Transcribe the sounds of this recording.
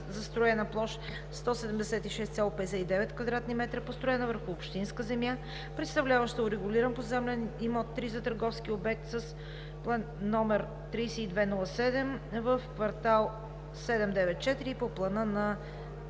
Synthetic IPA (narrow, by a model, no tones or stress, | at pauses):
zɐst̪ɾoɛnəplˠɔʃ | st̪ɔsɛd̪ɛmd̪ɛsɛt̪iʃɛst̪sʲalˠopɛd̪ɛsɛid̪ɛvɛt̪kvɐd̪ɾat̪nimɛt̪ɾəpost̪ɾoɛnəvəɾxʊːpʃt̪inskəzɛmja | pɾɛt̪st̪ɐvlʲavəʃt̪əʊɾɛɡʊliɾənpozɛmlʲɛnimɔt̪ːɾizɐt̪əɾɡɔfskiobɛk̚t̪səs | plˠɛnnɔmɛɾ | t̪ɾijsɛid̪vɛnɔlˠəsɛd̪ɛmvəfkvɐɾt̪alˠ | sɛd̪ɛmd̪ɛvɛt̪̚t͡ʃɛt̪iɾipoplˠɐnɤnɐ